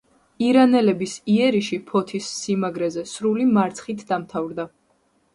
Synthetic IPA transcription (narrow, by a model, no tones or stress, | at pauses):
iɾanɛlɛbisiɛɾiʃipʰɔt̪ʰisːimaɡɾɛzɛsɾulimaɾt̪sʰχit̪ʰd̪amt̪ʰavɾd̪a